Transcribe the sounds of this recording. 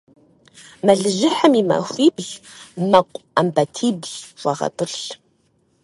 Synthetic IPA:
mɐɮɨʒɪħəmima̰xʷiːbʑmɐqʷʼambɐtʰiːbʒwʷɑʁɐ̰tʼɨrɬ

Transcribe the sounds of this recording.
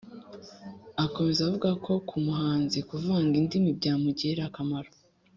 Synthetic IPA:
ako̞me̞zavuɡakʰo̞kʰumuhaːnzikuvaːŋɡindimibɟaːmuɟeɾakamaɾo̥

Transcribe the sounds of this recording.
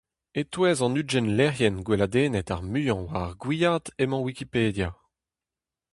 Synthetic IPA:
et̪wɛːzɑ̃nyd͡ʒɛnlɛʁjɛnɡwelad̪eːnɛt̪aʁmyːɑ̃waʁɡwijad̪emɑ̃wikipeːd̪ja

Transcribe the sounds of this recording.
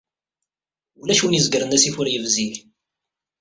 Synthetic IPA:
ulæʃuwnjəzəɡɾənæsifuɾjəvziθ

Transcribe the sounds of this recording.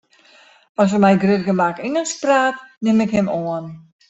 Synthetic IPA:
ɔs̬əmɛjɡrødəɡəmakinəspraːtnɪmɪkhɪmoən

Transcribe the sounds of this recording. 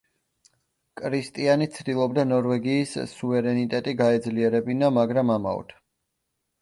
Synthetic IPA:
kʼɾist̪ʼianit̪sʰd̪ilˠɔbd̪anɔɾvɛɡiːssːuvɛɾɛnit̪ʼɛt̪ʼiɡaɛd̪zliɛɾɛbinamaɡɾamama̰ɔ̰t̪ʰ

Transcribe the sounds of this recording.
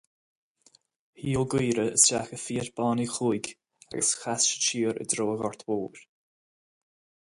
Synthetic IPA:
hiːəlˠɡiːɾəə̰sʃaxəfiːəɾb̥ɑːnixuːjɡ | a̰ɡəsxasʃə̥t͡ʃiːəɾə̰d̪ɾoːəɣɔɹt̪ʰwoːɾ

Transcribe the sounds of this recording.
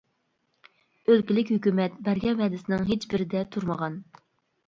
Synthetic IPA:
ølkʲilɪkʲhøkʲymɛt̪bɛɾɡʲɛvɛd̪ɪsɪnɪŋɦet͡ʃbɪɾɪd̪ɛt̪ʰuɾməʁɑn

